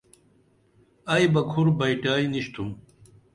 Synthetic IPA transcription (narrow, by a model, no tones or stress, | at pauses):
ajbɐkʰuɾbajʈaːjniɕt̪ʰum